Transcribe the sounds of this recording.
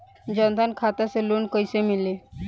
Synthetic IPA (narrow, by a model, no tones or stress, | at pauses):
d͡ʑənd̪ʱankʰat̪aseluːɳkəjsemile